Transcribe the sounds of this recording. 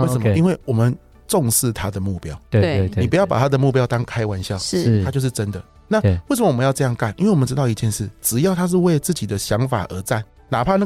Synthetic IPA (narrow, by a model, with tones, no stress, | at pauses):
e˥˩sə˨˦˧i˥nwe˥˩wɔ˨˩mə˨n | ʈ͡ʂɔ˥˧ŋʂɻ̩˥˩t̪ʰa˥d̪ə˨mu˥˩pjɑ˦˥ʊ˧˥˧i˨pu˧˥jɑ˥˩ʊpa˨˩t̪ʰa˥d̪ə˨mu˥˩p̬jɑ˥ʊt̪ɑ˥ŋkʰa˦˥ɪwa˧˦nɕjɑ˥˨ʊt̪ʰa˥t͡ɕjo˥˧ʊʂ̬̩˥˩ʈ͡ʂə˦nd̪ə˨ | na˥˩we˥˩sə˨mə˨wɔ˨ə˦jɑ˥˧ɤ˥˧jɑ˥˧ŋka˥˩nʔi˥nwe˥˩˨wɔ˨˩mə˧ʈ͡ʂɻ̩˥ɑ˥˧ʊi˧˥t͡ɕjɛ˥˧nʂɻ̩˥˩ʈ͡ʂɻ̩˨˩jɑ˥˩ʊt̪ʰa˥ʂ̬̩˥˧we˥˧ɪt͡sɹ̩˥˩t͡ɕi˨˩d̪ə˦ɕjɑ˧˦ŋfa̰˨˩ʔə˧˥t͡sa˥˩n | na˨˩pʰa˥˧na˥˨